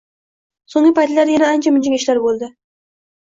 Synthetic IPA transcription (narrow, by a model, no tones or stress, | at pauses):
soŋlɪpʰajt̪laɾjanaant͡ʃʰamɪnd͡ʒɪŋʲeʃlaɾbolˠd̪ɪ